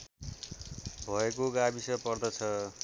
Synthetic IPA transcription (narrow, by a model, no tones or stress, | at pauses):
bʱʌekoɡabisʌpʌrd̪ʌt͡sʰʌ